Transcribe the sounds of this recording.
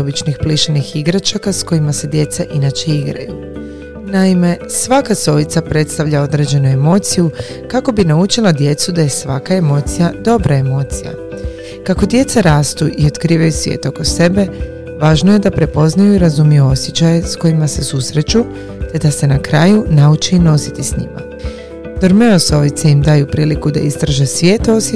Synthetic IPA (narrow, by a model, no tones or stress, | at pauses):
obit͡ʃnixpliʃanixiɡɾat͡ʃakasko̞imase̞d̪je̞t̪seʔinat͡ʃe̞iɡɾa̰jṵ | naime̞sʋakaso̞ʋit̪sapɾe̞t̪st̪aʋʎao̞d̪ɾe̞d͡ʑe̞nue̞mo̞t̪siju | kako̞binaut͡ʃilˠad̪je̞t̪sud̪aje̞sʋakae̞mo̞ːt̪sijad̪o̞bɾae̞mo̞ːt̪sija̰ | kako̞d̪je̞t̪saɾaːst̪uʔio̞d̪kɾiːʋajusʋʲjḛːt̪o̞ko̞se̞be̞ | ʋaːʒnoje̞d̪apɾe̞po̞znajuiɾazumijuo̞sje̞t͡ɕaje̞sko̞jimase̞susɾe̞t͡ʃu | t̪e̞d̪ase̞nakɾaːjunaut͡ʃino̞sit̪isɲḭma̰ | d̪̥oɾme̞oso̞ʋit̪seimd̪aːjupɾiːlikud̪a̰ist̪ɾaʒesʋje̞ːt̪os